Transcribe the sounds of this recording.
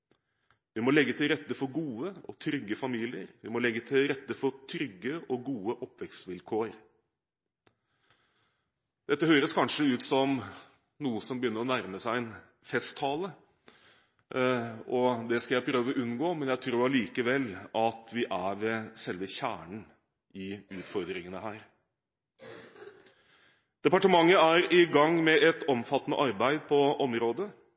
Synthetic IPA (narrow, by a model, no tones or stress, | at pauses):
ʋɪmɔlɛɡːət̪ʰɪlɾɛt̪ːəfɔɡuːəɔ̰t̪ʰɾʏɡːəfɑmiːlɪəɾʋɪmɔlɛɡːət̪ʰɪlɾɛt̪ːəfɔɾt̪ʰɾʏɡːəɔɡuːəʔɔpːʋɛksʋɪlkʰoːəɾ | d̪̥ɛt̪ːəɦøːɾəskʰɑnʂəʉːt̪sɔm | nuːəsɔmbəjʏnːəɾɔnæɾməsæɪɛn | fɛst̪ʰːɑːlə | ɔd̪ɛskɑljæɪpʰɾøːʋəʔʉnːɡoːmɛnjæɪt̪ʰɾuːɑɭiːkəʋɛlːɑt̪ʋɪʔæʋɛsɛlːʋəçæ̰ːɳəɳ̩ | ɪʉːt̪fɔɾd̪ɾɪŋənəhæːɾ | d̪̥ɛpɑʈəmɑŋːəæɾɪɡɑŋmɛʔɛt̪ɔmfɑt̪ːnə̰ʔɑɾbæɪd̪pʰɔʔɔmɾoːd̪ə